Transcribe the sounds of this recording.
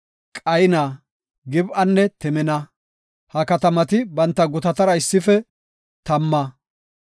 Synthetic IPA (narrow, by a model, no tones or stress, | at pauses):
kʼɐjnaː | ɡɪbʔɐnːɛt̪ɪmɪnɐ | hɐkɐt̪ɐmɐt̪ɪbɐnt̪ːɐɡʊt̪ɐt̪ɐɾɐɪsːɪfɛ | t̪ɐmːɐ